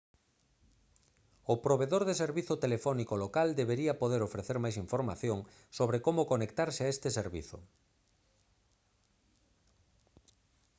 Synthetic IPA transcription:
ʊpɾoβeðoɾðeseɾβiθʊt̪elefɔnikolokald̪eβeɾiɐpoðeɾofɾeθeɾmajs̬iɱfoɾma̰θjoŋ | soβɾekomʊkonekt̪aɾsɪaest̪eseɾβḭθʊ̰

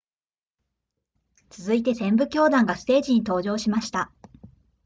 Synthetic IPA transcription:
t͡sɨzɨit̪e̞sẽ̞mbɯ̟kʲo̞ːd̪ãŋɡasɨ̥t̪e̞ːʑiɲ̟it̪o̞ːʑo̞ːɕimaɕi̥t̪a

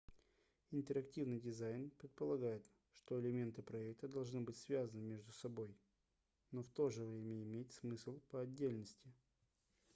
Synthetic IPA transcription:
ɪnt̪əɾɐktʲivnɨjdʲɪzajnpɾʲɪt̪̚pəlˠɐɡajɪt̪ | ʂt̪o̞ɪlʲɪmʲe̞nt̪ɨpɾɐɛk̚t̪əd̪ɐlˠʐnɨbɨtʲsvʲazənɨmʲe̞ʐd̪ʊsɐbo̞j | no̞ft̪o̞ʐɨvɾʲemʲəɪmʲet̚ʲsmɨsʲlˠpəɐdʲːelʲnəsʲtʲɪ

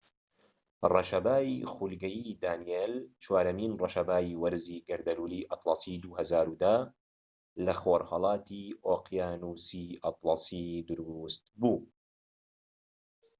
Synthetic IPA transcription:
rɑʃɐbaːjixulɡɐjid̪aːnijeːlt͡ʃwaːɾɐmiːnrɐʃɐbaːiwɐɾziːɡɐɾd̪ɐluːliːʔɑt̪lˠɑsˤiːd̪uhɐzaːɾuːd̪a | lɐxoːɾhɑlˠɑːt̪iʔoːqjaːnuːsiʔɑt̪lˠɑsiːd̪ʊɾust̪̚buː

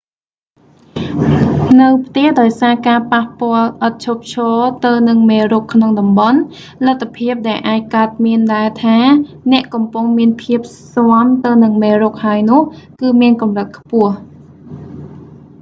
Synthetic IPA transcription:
nɨwpʰt̪ɛəhɗaɔjsaːkaːpahpŏəlʔət̪̚t͡ɕʰoːp̚t͡ɕʰɔːt̪ɨwnɨŋmeːruːkʰːnoŋɗɑmɓɑn | lat̪ʰːapʰiəp̚ɗaɛlʔaːc̚kaət̪̚miənɗaɛt̪ʰaː | nɛ̆əʔkɑmpʊŋmiənpʰiəp̚soəmt̪ɨwnɨŋmeːruːk̚haəjnʊ̆əhkɨːmiənkɑmrət̪̚kʰpʊ̆əh

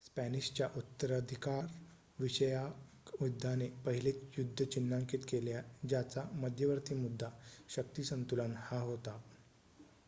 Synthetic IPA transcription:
spæniɕt͡ɕjaʔut̪ːəɾəd̪ʱikaɾ | ʋiɕəjakmud̪ʱːanepəɦilet͡sjud̪ʱːət͡ɕinːaŋkit̪keljad͡ʑjat͡saməd̪ʱjəʋəɾt̪iːmud̪ʱːaɕək̚t̪iːsənt̪ulanhaɦot̪a

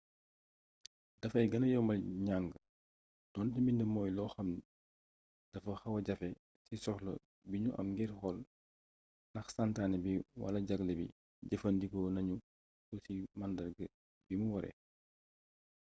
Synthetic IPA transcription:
dɐfɐjɡɐnɐjɔwmɐlɲaŋɡə | d̥ɔntɛmindəmɔːjlɔːxɐmn | d̥ɐfɐxɐwɐɟɐfɛ | sisɔxlɐ̰ | biɲuʔɐ̰mɡɛrxɔl | nɐxsantaːnɛbiwɐ̰lɐɟɐɡləbḭ | ɟɐfɐndikɔnɐɲu | sɔsimandɐrɡə | bimuwɔɾɛ̰

